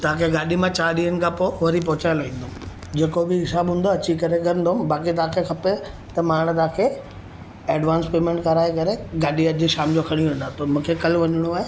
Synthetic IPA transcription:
t̪ɐãkʰeɡaːɗimãt͡ɕaːɗiənɪ̆kʰãpoʋɐɾipɔɦʊt͡ɕaːɪloʋĩːn̆d̪oːm | d͡ʑeːkobɪɦɪsaːbɦũːnd̪oɐt͡ɕikɐɾeɡɐɾə̃nd̪oːmbaːkit̪̬ɐãkʰekʰɐpe | t̪ɐmaːɽ̃t̪ɐãːkʰe | ɛːɖʋãːnspeːmẽːɳʈkɐɾaːekɐɾeɡaːɗiɐd͡ʑʃaːmd͡ʑokʰɐɽ̃iɾɐ̃nd̪aːt̪ʰomũːkʰekɐlʋɐɲɪɽ̃uaːe

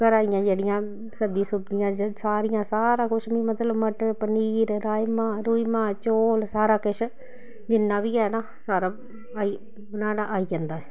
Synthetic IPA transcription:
pəɾaːijãːd͡ʒeːɽɪjãː | səbiːsʊbd͡ʒɪjãːsaːɾɪjãːsaːɾaːkʊʃʰmĩːmət̪ləbməʈpəniːɾɾaːjmãːɾuːimãːt͡ʃoːlsaːɾaːkɪʃʰ | d͡ʒɪnːãːʋiːɛːnaːsaːɾaː | aːiː | bənaːɽaːʔaːiːd͡ʒɛ̃ːnd̪aːɛː

